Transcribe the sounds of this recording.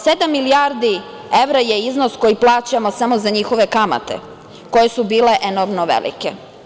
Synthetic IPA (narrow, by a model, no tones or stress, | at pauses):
se̞d̪amːilijaːɾd̪i | e̞ʋɾaje̞iznosko̞jiplˠaːt͡ɕamo̞samo̞zaɲixo̞ʋe̞kama̰t̪e̞̰ | ko̞jesubiːle̞ʔenoɾmnoʋḛlḭke